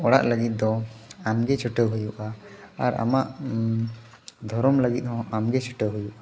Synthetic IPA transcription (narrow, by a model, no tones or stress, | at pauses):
ɔɽaʔləɡit̪̚d̪ɔamɡɛt͡ʃʰəʈəɦujuʔaaɾa̰maʔ | d̪ʱɔɾɔmləɡit̪̚hɔ̃amɡɛt͡ʃʰəʈəɦujuʔa